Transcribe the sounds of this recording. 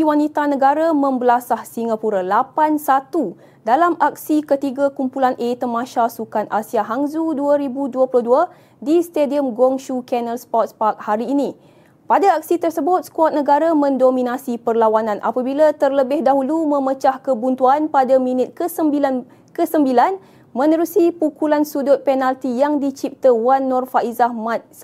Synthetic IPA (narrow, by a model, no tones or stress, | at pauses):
iwanit̪anəɡaɾamə̃mbəlasahsiŋɡapuɾalapansat̪u | dalamʔak̚sikət̪iɡakumpulanʔet̪əmãʃasukanʔasiaɦaŋzuduaɾibuduəplʊhdua | dist̪ediəmɡɔŋʃukɛnəlspɔt̪̚spak̚haɾiːnĩ | padaak̚sit̪ərsəbʊt̪̚skɔt̪̚nəɡaɾamə̃ndomĩnasipərlawanãnʔa̰pabilat̪ərləbɪhdaɦulumə̃mət͡ʃahkəbunt̪uanpadamĩnɪt̪̚kəəbilan | kəsəmbilan | mə̃nəɾusipukulansudʊt̪̚penalt̪ijaŋdit͡ʃip̚t̪əwanːɔrfaʔizahmãt̪̚